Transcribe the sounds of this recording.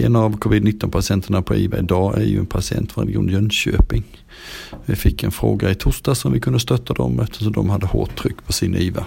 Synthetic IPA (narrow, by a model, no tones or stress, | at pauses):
ɛnavkʰɔvɪd̪nɪt̪ːɔnpʰasɪɛnt̪ʰəɳapʰɔiːvaɪd̪ɑːʔæjɵɛnpʰasɪɛ̰nt̪fɔɾɛlɡɪṵːnjœnɕøːpɪŋ | vɪfɪkːɛnfɾoːɡaɪt̪ʰʊːʂt̪asɔmvɪkʰɵnd̪əst̪œt̪ʰːad̪ɔmɛft̪ə̥ʂ̬ɔmd̪ɔmhad̪ːəho̰ːʈʰːɾʏkːpʰɔsɪniːva